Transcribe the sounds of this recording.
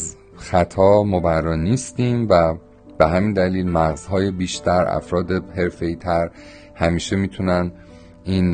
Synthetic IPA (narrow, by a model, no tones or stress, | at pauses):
z | xæt̪ʰɒːmobæɾːɒːniːst̪iːmvæ | b̥eɦæmiːnd̪æliːlmæɣz̥hɒːjebiːʃt̪ʰæɾæ̰fɾɒːd̪ehe̞ɾfe̞iːt̪ʰæɾ | hæmiːʃemiːt̪ʰunæn | iːn